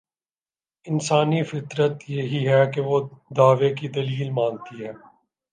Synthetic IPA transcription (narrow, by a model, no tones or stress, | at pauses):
ɪnsaːnifɪt̪ɾət̪jeɦiɦɛkeʋod̪aːʋekid̪ɐliːlmãːŋɡ̚t̪iɦɛː